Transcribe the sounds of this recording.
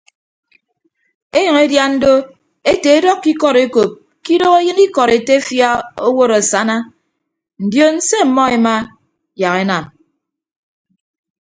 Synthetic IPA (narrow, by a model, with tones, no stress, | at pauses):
e˦ɲʌ˨ŋe˦dja˦n̩˦do˦ | e˦te˨e˦dɔ˦kːi˦kɔ˦ɾe˦ko˨p̚ | ki˦do˦ɣe˦jɨ˦ni˦kɔ˨ɾe˨te˦fja˦o˦wo˦ɾa˨sa˦na˦ | n̩˨djo˦n̩˦se˦m̩˨mɔ˦e˨ma˦ | ja˨ɣe˦na˨m